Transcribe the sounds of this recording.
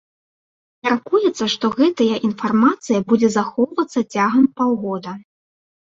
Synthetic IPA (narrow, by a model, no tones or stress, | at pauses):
mʲarkujɛt̪sːɐʂt̪ɔɣɛt̪ɐjɐʔinfarmat̪sɨjɐbud͡zʲɛzaxɔwvɐt̪sːɐt͡sʲaɣɐmpawɣɔd̪ɐ